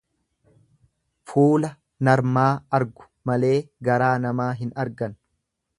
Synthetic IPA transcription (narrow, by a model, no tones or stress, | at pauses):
fuːlɐ | nɐɾmaːɐɾɡʊ̥mɐle̞ːɡɐɾaːnɐmaːɦɪnɐɾɡɐn